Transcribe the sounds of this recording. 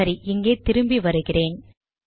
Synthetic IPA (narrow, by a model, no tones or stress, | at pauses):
ɐɾiʔɪŋɡeːt̪ɪɾɯmbiʋɐɾɯɣɪreːn